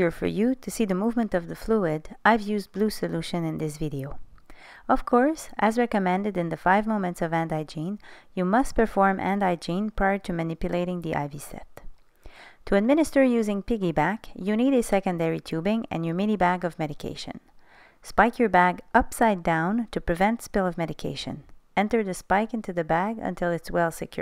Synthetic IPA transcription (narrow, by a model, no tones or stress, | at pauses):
ə˞fə̰˞jɨɾɨsiðɨmuvmɨ̃ntʌvðɨfluɪdaɪvjʉzblusɨluʃɨ̃nɨ̃nðɪsvɪɾioʊ | ʌv̥kʰɔɹsʔɨzɹɛkɨmɛ̃ndɨɾɨ̃nðɨfaɪvmõʊ̃mɨ̃ntsʌvæ̃ndaɪd͡ʒĩnjɨmʌs̚pʰə˞fɔɹmʔæ̰̃ndaɪd͡ʒĩnpʰɹ̥aɪə˞ɾɨmɨnɪpjɨleɪɾɪ̃ŋðiʔa̰ɪvisɛ̰t | tʰɨɨd̚mɪ̃ñɨstə˞jʉzɪ̃ŋpɪɡibækjɨniɾɨsɛkɨ̃ndɛɹitʰʉbɪ̃ŋɨ̰̃njə˞mɪnibæɡʌvmɛɾɨkʰḛɪʃɨ̰̃n | spaɪkjə˞bæɡʔʌpsaɪdãʊ̃ntʰɨpɹ̥ɨvɛ̃ntspɪlˠʌvmɛɾɨkʰḛɪʃɨ̰̃nɛ̃ntə˞ðɨspaɪkɪ̃ntʉðɨbæɡɨ̰̃ntʰɪlˠɨtswɛlˠsɨkʰj̥ʊ̰